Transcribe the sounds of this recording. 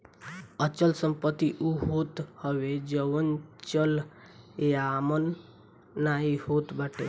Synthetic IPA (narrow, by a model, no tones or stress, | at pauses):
ət͡ʃəlsəmpət̪ːiʔuɦot̪həʋed͡ʒəʋənt͡ʃəl | eamənː | aihot̪baʈe